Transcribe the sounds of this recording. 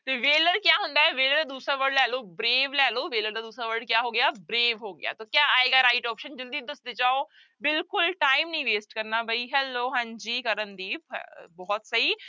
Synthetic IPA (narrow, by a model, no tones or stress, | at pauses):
t̪eːʋeːləɾkjaːɦʊ̃nd̪aːɛʋeːləɾd̪aːd̪uːsɾaːʋəɾɖlɛːloːbɾeːʋlɛːloːʋeːləɾd̪aːd̪uːsɾaːʋəɾɖ̚kjaːɦoːɡɪjaːbɾeːʋɦoːɡɪ̰ja̰ːt̪oːkjaːaːeːɡaːɾaːɪʈɔːpʃənd͡ʒəld̪iːd̪əsd̪et͡ʃaːoː | bɪlkʊlʈaːimnəĩːʋeːsʈkəɾnaːbʱəiɦɛːlːoːɦãɲd͡ʒiːkəɾənd̪iːpʰbɔːɔt̪səɦiː